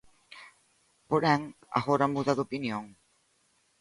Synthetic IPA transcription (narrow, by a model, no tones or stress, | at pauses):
poɾɛ̃ŋ | a̰ɣoɾɐmuðaðopinjõŋ